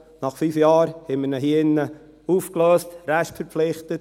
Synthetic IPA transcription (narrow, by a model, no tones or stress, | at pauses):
nɑχfyːfjɑːɾhɛmənəɦhinːə | uːfkløːstɾæʃtfəɾpflɪχtət